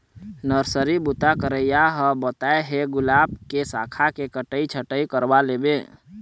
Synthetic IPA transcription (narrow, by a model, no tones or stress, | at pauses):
nəɾsəɾibʊt̪akəɾəjaɦəbət̪aeɦeɡʊlaːb̚kesa̰ːkʰakekəʈəit͡ʃʰəʈəikəɾbaleːbe